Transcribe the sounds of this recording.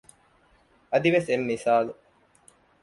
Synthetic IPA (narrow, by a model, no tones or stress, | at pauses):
ɐd̪iʋesemːisaːlu